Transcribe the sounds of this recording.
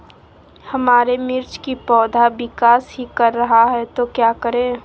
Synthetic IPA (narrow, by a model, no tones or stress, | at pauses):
hɐmaːɾemɪɾt͡ʃkipɔːd̪ʱabɪkaːsɦikəɾːɐɦaɦɛt̪okjakəɾẽː